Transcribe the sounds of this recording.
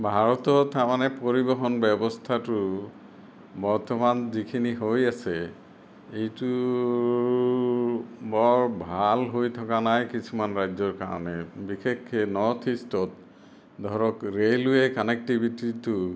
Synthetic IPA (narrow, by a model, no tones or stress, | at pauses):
bʱaɹɔtɔtaɹmanɛpoɹibɔɦɔnbɛbɔstʰatʊ | bɔɹtɔmanzikʰiniɦojasɛ | ejtu | bɔɹbʱalɦojt̪ʰɔkanajkisʰumanɹajzɔɹka̰ɹɔ̰nɛbikekʰːɛnɔɹtʰistɔt̚ | dʱɔɹɔkɹelujɛkɔnɛk̚tibʱititʊ